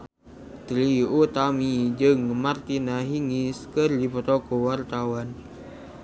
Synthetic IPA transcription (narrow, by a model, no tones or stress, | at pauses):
t̪ɾiut̪amid͡ʒɨŋmart̪inaɦiŋiskɨrdipətɔkɔwart̪awan